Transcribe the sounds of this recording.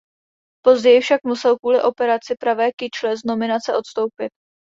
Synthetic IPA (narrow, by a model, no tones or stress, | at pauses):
po̞zɟɛjɪfʃak̚musɛlkuːlɪʔo̞pɛɾat͡sɪpɾavɛːkɪt͡ʃlɛzno̞mɪnat͡sɛʔo̞t̪st̪o̞wpɪt̪̚